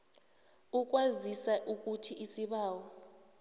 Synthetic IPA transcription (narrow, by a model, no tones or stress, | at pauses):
uk̬ʼwazisaʔuk̬ʼutʰiʔisiɓaːwɔ